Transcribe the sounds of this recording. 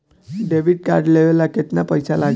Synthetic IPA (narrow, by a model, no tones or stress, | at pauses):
ɖebʱiɖ̚ka̰ɾɖleʋelːaket̪napəjsalaɡ